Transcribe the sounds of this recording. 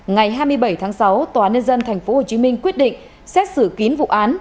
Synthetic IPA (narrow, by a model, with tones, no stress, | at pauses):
ŋa˨˩jɦaː˧jmɨ˧əjɓə˧˩jt̪ʰaː˨˦ŋsa˨˦wt̪waː˨˩ɲə˧nzə˧nt̪ʰa˨˩jŋ̟fo˨˦ho˨˩t͡ɕi˨˦mï˧ŋ̟kwi˦˥ət̚ɗḭ̈˧˨ŋ̟ | sɛ˦˥t̚sɨ˧˩ki˨˦ənvṵ˧˨ʔaː˨˦n